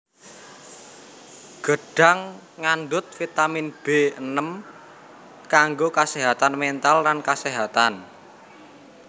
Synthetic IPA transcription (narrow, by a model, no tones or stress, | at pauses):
ɡ̥əɖ̥a̤ŋː | anɖ̪ʊt̪̚fit̪aminb̥eənəm | kaŋɡokaseɦat̪anment̪alːankaseɦat̪an